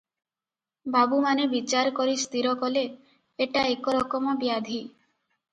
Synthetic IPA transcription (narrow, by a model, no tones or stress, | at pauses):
babumanebit͡ʃaɾɔkɔɾist̪iɾɔkɔle | eʈaekɔɾɔkɔmɔbiad̪ʱi